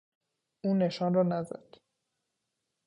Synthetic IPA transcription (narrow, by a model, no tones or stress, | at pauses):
uːneʃɒnrɒːnæzæ̰d̪̥